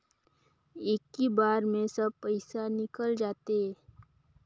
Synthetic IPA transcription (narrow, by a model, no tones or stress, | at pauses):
eːkːibaːɾmẽsəb̚pəɪsanɪkəld͡ʒaːt̪e